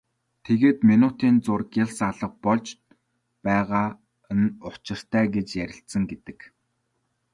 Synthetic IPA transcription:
t̪ʰeɣeːt̪minut̪iːnt͡sʊrkjaɮsaɮə̆q̚pɔɮt͡ɕ | pæːʁaː | ə̆nʊt͡ɕɪ̆r̥t̪ʰæːɡet͡ɕjæɾʲɪ̆ɬt̪sə̆ŋɡet̪ɘ̆k

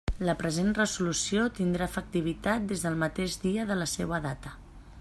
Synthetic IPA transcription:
ləpɾəzenrəzulusiot̪ind̪ɾafək̚t̪iβ̞it̪at̪̚d̪ezðəlˠmət̪eʒd̪iəðələsewəðat̪ə

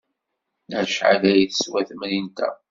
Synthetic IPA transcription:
æʃʕa̰læjiθə̥swæθmnint̪æ̰

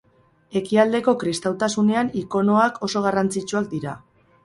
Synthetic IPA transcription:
e̞kiald̪e̞ko̞kɾist̪awt̪asune̞aniko̞no̞akʰo̞so̞ɣ̞arant͡sit͡ʃuak̚d̪iɾa

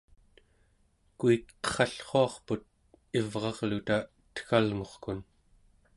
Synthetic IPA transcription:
kuikʌ̥χɑɬχoɑχput̪̚ | ivʁɑʁlut̪a | t̪ə̥xalŋo̞χkun

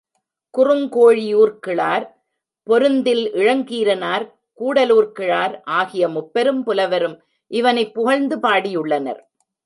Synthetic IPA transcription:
kʊrɯmkoːɻijuːrkɪɭaːɾ | pɔɾɯnd̪ɪlʔɪɻɐŋɡiːɾɐnaːɾ | kuːɽɐluːrkɪɻaːɾʔaːɣɪjɐmʊpːɐɾɯmpʊlɐʋɐɾɯm | ʔɪʋɐnɐɪpːʊɣɐɭnd̪ɯpaːɽijʊɭːɐnɐ̰ɾ

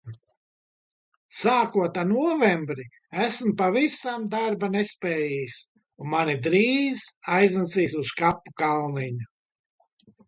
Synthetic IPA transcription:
saːkuɔt̪anuɔvɛmbɾi | æsmpavisamd̪aɾbanespɛːjiːks | unmanid̪ɾiːzajznasiːsuskapːukalniɲu

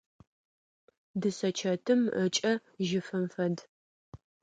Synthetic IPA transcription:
dɨsɐt͡ʃʰɐtʰɨmət͡ʃʼɐʒɪfɨmfɐd

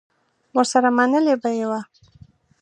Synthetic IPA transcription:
wəɾsaɾamanəlebajewa

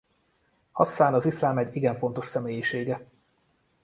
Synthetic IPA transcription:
ɒ̰st̪ːaːnɒzislaːmɛɟiɡɛɱfo̞nt̪o̞ʃsɛmeːjiʃeːɡɛ

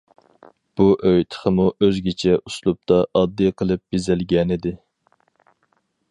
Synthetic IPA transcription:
b̥uʔøjt̪ʰə̥χəmuʔøzɡʲit͡ʃʰɛuslˠup̚t̪ʰɑʔɑd̪ːɨjqʰəlˠɨp̚bezɪlɡʲɛnɪd̪ɪ

